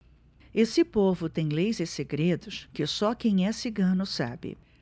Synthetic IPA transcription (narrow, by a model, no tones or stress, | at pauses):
esɪpovʊt̪ẽj̃lejzɪseɡɾed̪ʊskɪsɔkẽj̃ɛsiɡɐ̃nʊsa̰bɪ̰